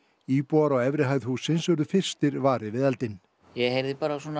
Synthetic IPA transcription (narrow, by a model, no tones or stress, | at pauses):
iːpuaɾaɣɛvɾɪɦaːjðhuːsɪnsœɾðʏfɪr̥st̪ɪɾvaːɾɪvɪðɛlt̪ɪn | jɛɣhejɾðɪpaːɾasɔna